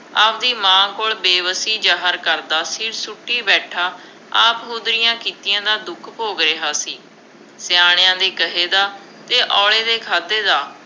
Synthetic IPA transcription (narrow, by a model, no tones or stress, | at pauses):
aːp̚d̪iːmãːkoːɭbeːʋəsiːd͡ʒaːɦəɾkəɾd̪aːsiːɾsʊʈːiːbɛːʈʰaː | aːpɦoːd̪ɾɪjãːkiːt̪ɪjãːd̪aːd̪ʊkʰpoːɡɾeːɦaːsiː | sɪaːɽ̃jãːd̪iːkəɦeːd̪aː | t̪eːʔɔːɭeːd̪eːkʰaːd̪eːd̪aː